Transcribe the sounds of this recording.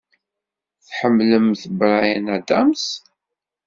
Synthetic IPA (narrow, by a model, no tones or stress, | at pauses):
θħəmːləmθəbɾˤajənæd̪æms